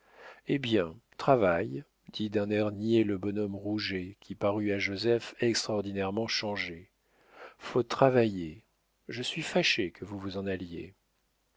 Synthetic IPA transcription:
ebjɛ̃t̪χavaj | d̪̥id̪ɛ̃nɛʁnjeləbɔnɔmʁuʒekʲʰipaʁyaʒozɛfɛkst̪χaɔʁd̪inɛʁmɑ̃ʃɑ̃ʒe | fot̪χavaje | ʒəsɥifaʃekʰəvuvuzɑ̃naljḛ

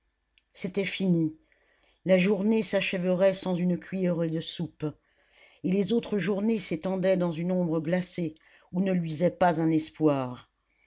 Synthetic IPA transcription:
set̪ɛfini | laʒuʁnesaʃɛvəʁɛsɑ̃zynkʰʲɥijɛʁəd̪əsup | elezot̪χəʒuʁneset̪ɑ̃d̪ɛd̪ɑ̃zynɔ̃bʁəɡlase | unəlɥizɛpazɛ̃nɛspwaːʁ

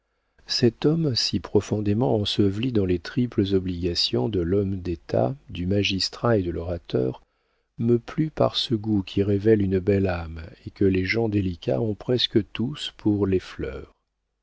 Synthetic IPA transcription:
sɛt̪ɔmsipχɔfɔ̃d̪emɑ̃ɑ̃səvlid̪ɑ̃let̪χipləzɔbliɡasjɔ̃d̪əlɔmd̪et̪ʰa̰d̪ymaʒist̪χaed̪əlɔʁat̪œ̰ːʁ | məplypa̰ʁsəɡukʲʰiʁevɛlynbɛlamekəleʒɑ̃d̪elikʲʰa̰ɔ̃pχɛskət̪uspʰuʁleflœ̰ːʁ

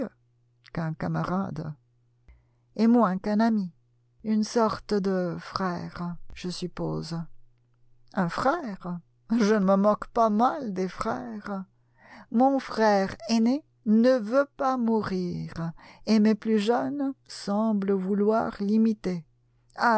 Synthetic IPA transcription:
ø | kɛ̃kamaʁad̪ | emwɛ̃kɛ̃nami | ynsɔʁt̪əd̪əfχɛʁʒ̥əsypo̰ːz | ɛ̃fχɛʁ | ʒənəməmɔ̃kpamald̪efχɛʁ | mɔ̃fχɛʁene | nəvøpamuʁiʁemeplyʒənsɑ̃bləvulwa̰ʁlimit̪e | a

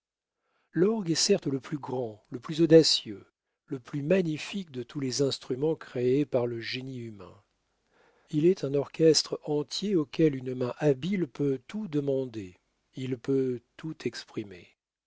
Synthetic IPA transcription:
lɔʁɡɛsɛʁt̪ləplyɡʁɑ̃ləplyzɔd̪asjø | ləplymaɲifik̚d̪ət̪ʰulɛzɛ̃st̪χymɑ̃kχeepaʁləʒeniymɛ̰̃ | ilɛt̪ɛ̃nɔʁkʲɛst̪χɑ̃t̪jeokʲɛlynmɛ̃ʔabilpøt̪ud̪əmɑ̃d̪e | ilpøt̪ut̪ʰɛkspχimḛ

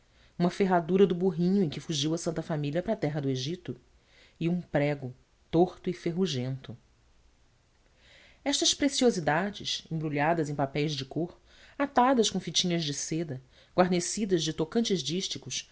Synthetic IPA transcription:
ũmɐfeɦad̪uɾɐd̪ʊbuɦĩɲʊẽj̃kɪfuʒiwɐsɐ̃nt̪ɐfamiliɐpɾɐat̪ɛɦɐd̪ʊeʒit̪ʊ | iũpɾɛɡʊ | t̪oχt̪ʊifeɦuʒẽnt̪ʊ | ɛʃt̪ɐʃpɾesiozid̪ad͡ʒɪsẽbɾuʎad̪ɐzẽj̃papɛjzd͡ʒɪkoχ | at̪ad̪ɐskõfit͡ʃĩɲɐzd͡ʒɪsed̪ɐ | ɡwaɾnesid̪ɐzd͡ʒɪt̪okɐ̃nt͡ʃɪzd͡ʒiʃt͡ʃikʊs

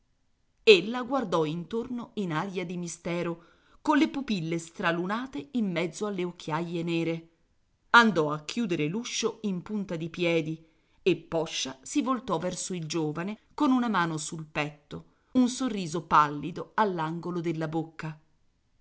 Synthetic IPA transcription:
elːaɡward̪ɔint̪ornoinaːɾjad̪imist̪ɛːɾo | konlepupilːest̪ɾalunaːt̪eimːɛd̪zːoalːeokʰːjajːenɛːɾe | and̪ɔakːjuːd̪eɾeluʃːoimpunt̪ad̪ipjɛːd̪i | epːɔʃːasivolt̪ɔvɛrsoild͡ʒoːvanekonunamaːnosulpɛt̪ːo | unsorːiːzopalːid̪oalːaŋɡolod̪elːabokːa

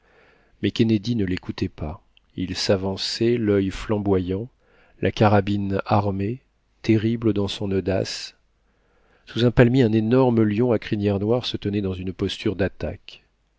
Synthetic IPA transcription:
mɛkʲened̪inəlekut̪ɛpa | ilsavɑ̃sɛlœjflɑ̃bwajɑ̃ | lʔakaʁabinaʁme | t̪eʁibləd̪ɑ̃sɔ̃nod̪a̰s | suzɛ̃palmiɛ̃nenɔʁməljɔ̃akχinjɛʁnwaʁsət̪ənɛd̪ɑ̃zynpɔst̪ʰyʁd̪at̪a̰k

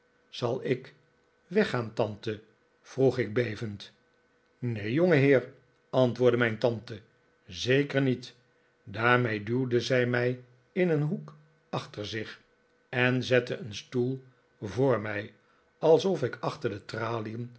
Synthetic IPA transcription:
z̥ɑlˠɪk | ʋɛχaːnt̪ɑnt̪ə | v̥ruχɪɡ̚bejvənt | nejjoŋəɦɪːɹ | ɑntʋʊːɹdəmɛjntɑntə | zejkəɹnit | daːɹmejduwdəzɛjmɛj | ɪnənɦuk | ɑχtəɹzɪχ | ɛnzɛtəənstulˠ | voːɹmɛj | ɑlˠsɔfɪkɑχtəɹdətraːliəm

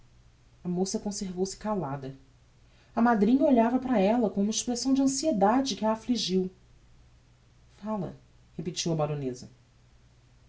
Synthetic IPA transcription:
ɐmosɐkõseɾvowsɪ̥kalad̪ɐ | ɐmad̪ɾĩɲɐoʎavɐpɾɐɛlɐkõũmɐeʃpɾesɐ̃w̃d͡ʒɐ̃sied̪ad͡ʒɪkɪaːfliʒiw | falɐ̰ | hepit͡ʃiwɐbaɾõnezɐ

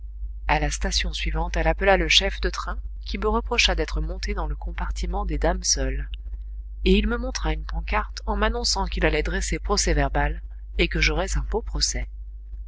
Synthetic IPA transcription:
alast̪asjɔ̃sɥivɑ̃t̪ɛlapəlaləʃɛfd̪ət̪χɛ̃kʲiməʁəpχɔʃad̪ɛt̪χəmɔ̃t̪ed̪ɑ̃ləkɔ̃paʁt̪imɑ̃d̪ed̪amsœl | eilməmɔ̃t̪χaynpɑ̃kaʁt̪ɑ̃manɔ̃sɑ̃kilalɛd̪ʁesepχɔsɛvɛʁbal | ekəʒɔʁɛzɛ̃bopχɔsɛ

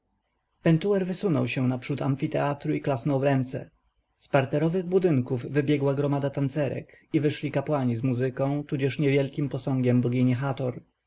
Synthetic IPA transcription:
pɛnt̪uɛɾvɘsunɔ̰wɕɛnapʂut̪amfʲit̪ɛat̪ɾuiklasnɔwɾɛnt̪sɛ̰ | spaɾt̪ɛɾɔvɘɣbud̪ɘŋkuvːɘbʲjɛɡwaɡɾɔmad̪at̪ant̪sɛɾɛ̰kivɘʂlʲikapwaɲizmuzɘkɔ̃w̃t̪ud͡ʑɛʂɲɛvʲjɛlkʲimpɔsɔŋɡʲɛmbɔɡʲiɲɛxat̪ɔɾ

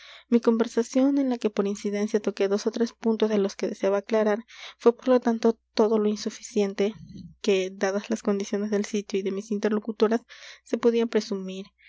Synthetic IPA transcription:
miko̞mbe̞ɾsasjo̞ne̞nlake̞po̞ɾinsiðe̞nsjat̪o̞ke̞ðo̞sot̪ɾe̞spunt̪o̞zðelo̞ske̞ðeseaβaːklaɾaɾfwe̞po̞ɾlo̞t̪ant̪o̞t̪o̞ðo̞lo̞insufi̥sje̞nt̪eke̞d̪aðazlasko̞nd̪isjo̞ne̞zðe̞lsit̪joiðe̞misint̪e̞ɾlo̞kut̪o̞ɾasːe̞poðiapɾe̞sumiɾ

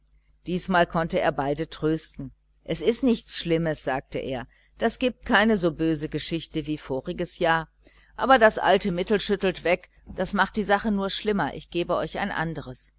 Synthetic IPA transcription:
d̥iːsmaːlkʰɔntəḛːɐbaɪdətʁ̥øːstn̩ | ʔɛsɪstnɪçt͡sʃlɪməsz̥aːk̚təʔḛːɐ | d̥asɡ̥iːp̚t̚kʰaɪnəzoːbøːzəɡəʃɪçtəviːfoːʁɪɡəsjaːɐ | ʔaːbɐdasʔa̰ltəmɪtl̩ʃʏtl̩tv̥ɛk | d̥asmaχt̚d̥iːzaχənuːɐʃlɪmɐʔɪ̰çɡ̥eːbəʔɔʏça̰ɪnʔa̰ndəʁ̞əs

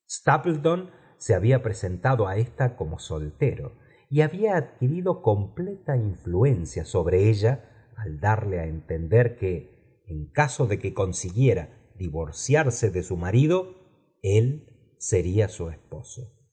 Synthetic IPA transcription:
st̪aplt̪o̞n | seaβiapɾese̞nt̪aðo̞aest̪ako̞mo̞so̞lt̪eɾo | iaβiaːðkiɾiðo̞ko̞mplet̪aiɱflue̞nsjaso̞β̞ɾeeʒaː | ld̪aɾleaent̪end̪eɾkeː | ŋkaso̞ðekeko̞nsiɣje̞ɾa | ðiβoɾsjaɾseðesumaɾiðo̞ | el | seɾiasuespo̞so̥

